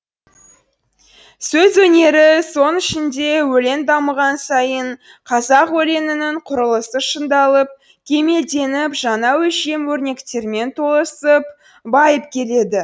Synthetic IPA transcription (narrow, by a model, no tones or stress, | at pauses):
sɵzwɵne̞ɾɪso̞nɪʃɪnd̪e̞wɵle̞nd̪ɑməʁɑnsɑjəɴ | qʰɑzɑqwɵle̞nɪnɪɴqʰʊɾəlˠəsəʃənd̪ɑlˠəp̚ | kʲʰe̞me̞ld̪e̞nɪpʒɑnɑwɵʃe̞mwɵɾne̞kt̪e̞ɾme̞nt̪ʰo̞lˠəsəp | bɑjəpkʲʰe̞le̞d̪ɪ